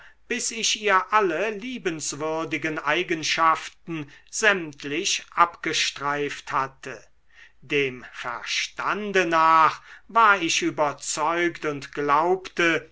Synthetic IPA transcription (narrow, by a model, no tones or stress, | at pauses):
b̥ɪsɪʃiːɐʔaləliːbənsv̥ʏɐdɪɡənʔaɪɡənʃaftn̩zɛmtʰlɪɕʔapɡ̥əʃtʁ̥aɪfthatʰə | deːmfɛ̰ɐʃtandənaːχvaːɐɪʃʔyːbɐt͡sɔʏktʊntɡ̥laʊptə